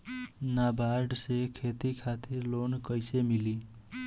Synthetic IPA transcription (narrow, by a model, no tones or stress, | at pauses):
nabaɾɖsekʰet̪ikʰat̪iɾlonkəjsemili